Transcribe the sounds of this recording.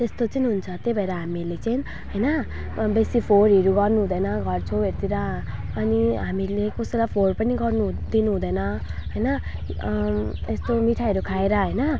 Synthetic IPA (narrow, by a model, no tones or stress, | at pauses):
t̪est̪ot͡sʌniɦunt͡sʰʌt̪ebʱʌeɾaɦamilet͡saĩ | ɦʌjnʌ | besipʰoɾɦeɾuɡʌrnuɦud̪ʌjnʌɡʱʌrt͡sʰʌwert̪iɾaː | niɦamilekoselajpʰorpʌniɡʌrnud̪inuɦũd̪ʌjnʌɦʌjnʌ | est̪omiʈʰaeɾukʰaeɾʌɦʌjnʌ